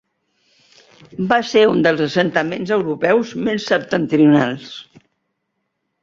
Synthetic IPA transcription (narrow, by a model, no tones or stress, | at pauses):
baseund̪əlˠzəsənt̪əmenzəwɾupɛwzmesːəp̚t̪ənt̪ɾiunalˠs